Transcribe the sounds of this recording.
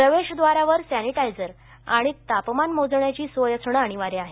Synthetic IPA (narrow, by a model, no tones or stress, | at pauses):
pɾəʋeɕd̪ʋaɾaʋəɾsæniʈajd͡zəɾ | aɽ̃it̪apmanmod͡zɳjat͡ɕiːsʋojəsʰɳəaɽ̃iʋaɾeaɦe